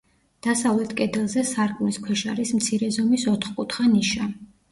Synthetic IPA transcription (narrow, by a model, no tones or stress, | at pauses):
d̪̥asavlɛt̪ʰkʼɛd̪ɛlˠzɛsaɾkʼmniskʰwɛʃaɾismt̪sʰiɾɛzɔmisɔt̪ʰχkʼut̪ʰχaniʃa